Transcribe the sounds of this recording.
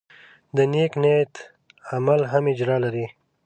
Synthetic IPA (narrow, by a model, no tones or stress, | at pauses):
d̪əneknet̪ | amalɦamɪd͡ʒɾɑlaɾi